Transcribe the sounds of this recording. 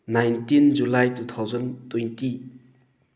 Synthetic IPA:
najntind͡ʒulajtut̪ʰawzʌntɔjnti

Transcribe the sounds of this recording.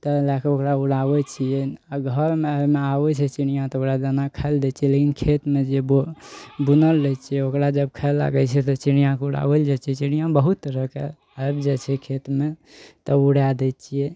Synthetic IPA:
t̪ɔlakeokɾauɽabɛt͡ʃʰijɛaɡʱəɾmeəmeabɛt͡ʃʰɛt͡ʃiñijãt̪ɔokɾad͡ʒ̪ənakʰaeld̪ɛt͡ʃʰiɛlekinkʰet̪med͡ʒebobunəlɾɛt͡ʃʰiɛokɾad͡ʒəbkʰaelːa̰ɡət͡ʃʰɛt̪ɔt͡ʃinijãkuɽa̰bəld͡ʒat͡ʃʰɛt͡ʃinijãbəɦut̪ɾəke | aebd͡ʒat͡ʃʰɛkʰet̪met̪ɔuɽad̪ɛt̪t͡ʃʰijɛ

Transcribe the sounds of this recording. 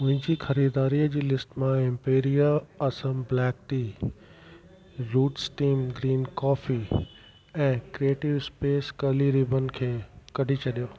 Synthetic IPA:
ʊ̃ɦɪ̃ɲd͡ʑiːxɐɾiːd̪aːɾiəd͡ʑiːlɪsʈmãɪ̃mpeːɾijaɐsəmblɛːk̚ʈi | ɾuːʈsʈiːmɡɾiːnkɔːfi | ɛ̃ːkɾieːʈɪʋɪspeːskɐliɾiːbənɪ̆kʰeːkɐɖʱit͡ɕʰɐɗijoː

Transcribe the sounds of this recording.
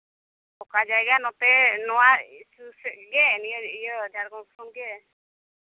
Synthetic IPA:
ɔkad͡ʒajɡanɔt̪ɛnɔwaisusɛɡɛnijɔijɔd͡ʒaɾɡɔŋkʰɾɔmɡɛ

